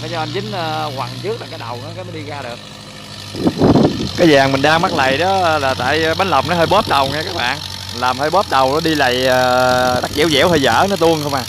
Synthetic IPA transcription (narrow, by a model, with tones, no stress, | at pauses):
haː˨˦jɔ˧ʔa˧jnzï˨˦ŋ̟ʔəː˧kwa˨˩ŋt͡ɕɨ˦˥k̚ɗaː˨˩ŋkaː˨˦jɗə˨˩wnɔ˨˦kaː˨˦mɔ˨˦ɗi˧ɣaː˧ɗɨ˨˩ək̚ | kaː˨˦jzaː˨˩ŋmï˨˩ŋ̟ɗaː˧ŋma˦˥k̚la̰ː˧˨jɗɔ˨˦˧laː˨˩t̪a̰ː˧˨jɓa˨˦n̟lə˨˩wŋ͡m̚nɔ˨˦ɦəː˧jɓɔ˦˥p̚ɗə˨˩wŋɛ˧kaː˦˥k̚ɓa̰ː˧˨nlaː˨˩mhəː˧jɓɔ˦˥p̚ɗ̪ə˨˩wnɔ˨˦ɗi˧la̰ː˧˨jəː˨˩ɗa˦˥k̚zḭ˧˩˦wzɛ̰˧˥whə˧jzə̰ː˧˥nɔ˨˦t̪u˧ənxə˧wŋ͡mʔaː˨˩